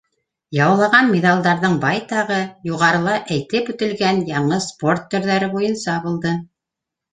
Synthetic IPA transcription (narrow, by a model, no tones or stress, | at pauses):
jɑwlˠɑʁɑnmʲed̪ɑlˠd̪ɑɾðɤɴbɑjt̪ɑʁɤjuʁɑɾɤ̆lˠɑʔæjt̪ɘpʉ̆t̪ɘ̆lɡænjɑɴɤsport̪ːɵ̆ɾðæɾɘbujɤ̆nsɑbŭlˠd̪ɤ